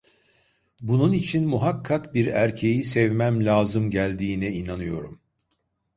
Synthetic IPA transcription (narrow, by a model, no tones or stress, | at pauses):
bununit͡ʃʰinmuɦakʰːakbiɾæɾcʰe̞jisɛvmæmlʲaːzɯmɟælʲd̪iːnɛinanɯjo̞ɾum